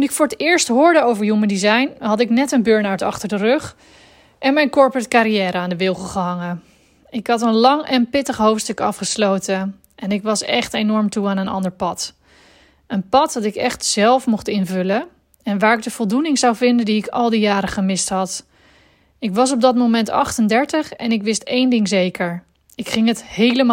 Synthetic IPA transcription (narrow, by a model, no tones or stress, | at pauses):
tunɪkfʊːɹətɪːɹstɦʊːɹdəowvəɹjuməndizɑjnɦɑtɪknɛtənbøɹnawtɑ̰χtəɹdərɵχ | ʔɛnmɛjnkɔɹpɹətkaːɾijɛːɾəaːndəʋɪlˠχəlˠχəɦɑŋə | ɪkɦɑtənlɑŋɛnpɪtəχɦowftstɵkɑfχəslowtə | ʔɛnɪkʋɑsɛ̰χtejnɔɹmtuaːnənɑ̰ndəɹpɑt | ənpɑt̚dɑtɪkɛχtsɛlˠfmuχtɪnvɵlə | ɛnʋaːɹɪɡ̚dəv̥ɔlˠdunɪŋzʌwvɪndəndiɪkɑlˠdijaːɾəχəmɪstɦɑt | ɪkʋɑs̬ɔb̚dɑt̚momɛntɑ̰χtəndɛɹtəχɛnɪkʋɪstejndɪŋzejkəɹ | ɪkχɪŋəthejləma